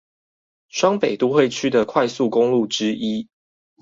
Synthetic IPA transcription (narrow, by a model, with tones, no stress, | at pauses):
ʂwɑ˥ŋpe˨˩ɪt̪u˥˦xwe˥˨ɪt͡ɕʰy˥d̪ə˨kʰwa˥˧ɪsu˥˨kʊ˦ŋlu˥˨ʈ͡ʂɻ̩˦i˦